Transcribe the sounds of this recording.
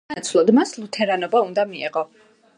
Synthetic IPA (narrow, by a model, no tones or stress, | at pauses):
t̪sʰvlˠɔd̪maslˠut̪ʰɛɾanɔbaund̪amiɛ̰ʁɔ